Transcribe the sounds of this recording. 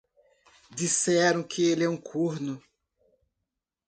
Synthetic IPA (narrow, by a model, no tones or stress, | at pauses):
d̪isɛɾɐ̃w̃kʰɪelɛũkʰuɾnʊ